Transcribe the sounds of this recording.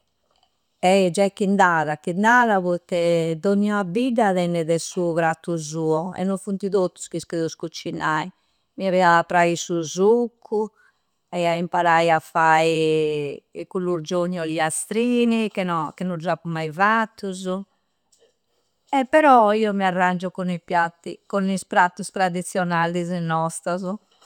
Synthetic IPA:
ɛd͡ʒakːind̪aːðakind̪aðaβut̪ːɛd̪onːiɔabidaðɛnːɛðɛsuuβɾat̪ːuzuːɔɛ̰nːɔɱfunt̪iðot̪ːu̥skiskeðuskut͡ʃːinai | miaβɛaapːɾaisuzukʰːu | ɛaimpaɾajafai | kulːuɾd͡ʒoɲːɔliast̪ɾiːnikɛnɔkɛnɔd͡ʒapumːajvat̪ʰːuzu | ɛpːɛɾɔiːɔmiarːand͡ʒɔkɔnipjat̪ːḭkɔnispɾat̪ːust̪ɾaðit̪sːjɔnalizɛnːɔst̪azɔ

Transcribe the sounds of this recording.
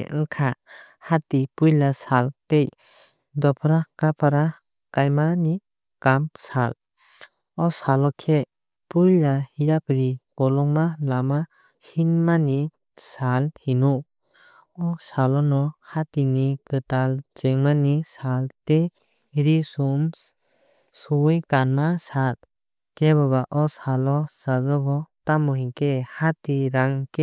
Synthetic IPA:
ŋkʰa | hatipujlasaltej | dɔpʰɾakapʰaɾa | kajmani | kamsal | ɔsalɔkʰe | pujlahijapɾiɡ̥ɔlɔŋmalama | hinmani | salhinu | ɔsalɔnɔhatinikɯtalt͡ʃeŋmanisalte | ɾisum | sujkanmasat̚ | keβaβaʔɔsalɔsazɔɡɔtamɔɦikehatiɾaŋke

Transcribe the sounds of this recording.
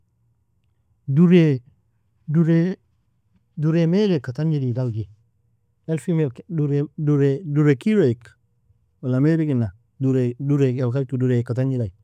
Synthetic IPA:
duɾe | duɾe | duɾemelekatand͡ʒididalɡi | elfimeduɾeduɾeduɾekiɾoik | walameɾikinːa | duɾeduɾealkaɾkiduɾekatand͡ʒidaj

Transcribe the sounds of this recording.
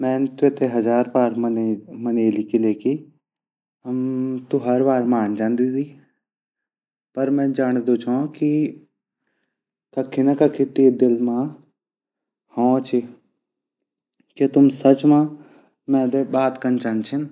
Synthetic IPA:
mɛ̃ːnt̪ʊet̪eɦɐd͡ʒaːɾpaːɾmməneːlikileːki | t̪uɦəɾbaːɾmaːnd͡ʒãːnd̪id̪iː | pəɾmɛ̃ːd͡ʒaːñd̪oːt͡ʃãːki | kɐkʰːinakɐkʰːit̪eːd̪ɪlmãː | hõːt͡ʃʰi | ket̪ʊmsət͡ʃmãː | mɛ̃ːd̪ebaːt̪kənt͡ʃant͡ʃʰɪn

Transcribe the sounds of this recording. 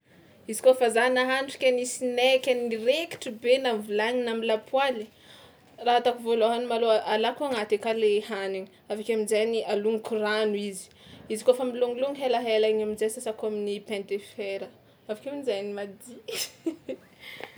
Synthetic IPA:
izi̥kofazanaɦanʈ͡ʂi̥kʲanisinɛkʲanireki̥ʈ͡ʂibenamvulaɲinamilapʰwali | raɦat̪akuvoloɦanumaloaʔalakuaŋat̪ekalehaniŋiavakʲaminzajnialuŋikuranuizi̥izikofamiluŋiluŋiɦelaɦelaɲaminzajsasakoaminipɛ̃nt̪efeɾə | avakʲominizajnimad̪i

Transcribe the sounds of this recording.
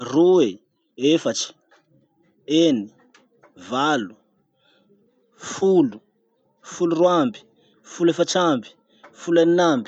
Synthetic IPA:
rue | efat͡ʃi̥ | eni | valu | fulu | fuluruambi̥ | fulefaʈ͡ʂambi̥ | fulaninambi̥

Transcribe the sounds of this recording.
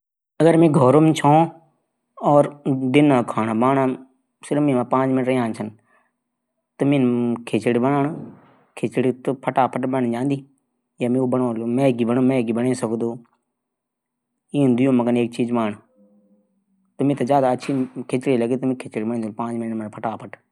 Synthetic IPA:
əɡəɾmẽːɡʱɔːɾomt͡ʃʰõː | ɔːɾd̪ɪnãːkʰaːnaːbaːɳaː | sɪɾmẽːmãːpãːt͡ʃmɪnəʈɾãːnt͡ʃʰən | t̪əmẽnkʰeːt͡ʃɪɽibənaːɳ | kʰeːt͡ʃɽit̪opʰəʈaːpʰəʈbəɳd͡ʒãːnd̪iː | jaːmẽoːbəɳoːlmẽːɡiːbənoːmẽːɡiːbənẽːsəkd̪oː | ĩːnd̪ɪjõːməɡəneːk̚t͡ʃiːd͡ʒmaːɳ | t̪əmẽːt̪ɐzjaːd̪aːət͡ʃʰiːkʰet͡ʃɽiːləɡet̪əmẽːkʰet͡ʃɽibənĩːd̪opãːt͡ʃmɪnəmənpʰəʈaːpʰəʈ

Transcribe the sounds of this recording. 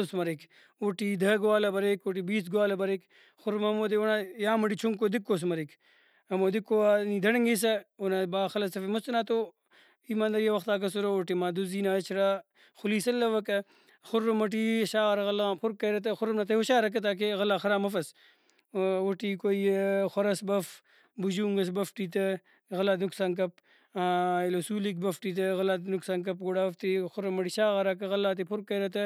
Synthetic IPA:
smɐɾik | oʈiːd̪ɐɡowaːlɐbɐɾekoʈ̬ibiːsɡwaːlɐbɐɾek | xʊɾmɐmoːd̪eonajaːmɐʈit͡ʃʰuŋkoːd̪ɪkːoːsmɐɾik | ɐmoːd̪ɪkːoaniːd̪ɐɽɐŋɡis̬ɐonɐbaːxɐlɐsɐfimʊst̪ɐnaːt̪o | iːmaːnd̪ɐɾijɐʋɐxt̪aːk̬ɐsuɾooʈimaːd̪uziːnaːɐt͡ʃʰɾa | xʊliːsɐlːɐʋɐkɐ | xʊrːomɐʈ̬iɕaːɣɐɾɐɣɐlapʰʊɾkːɐɾɐt̪ɐxʊɾɐmnat̪ɐhoɕaːɾɐk̬ɐt̪̬aːk̬eɣɐlːaːxɐɾaːmɐfɐs | woʈikojxʷwɐɾɐsbɐf | buʑuːŋɡɐsbɐfʈit̪ɐ | ɣɐlaːt̪nuksaːnk̬ɐp̚ː | ilosuːlik̚bɐfʈit̪̬ɐɣɐlaːt̪nuksaːnk̬ɐp̚ɡoɽaːɐft̪ixʊɾɐmɐʈiʃaːɣɐɾakɐɣɐlːaːt̪̬ipʰʊɾkːɐɾɐt̪ɐ

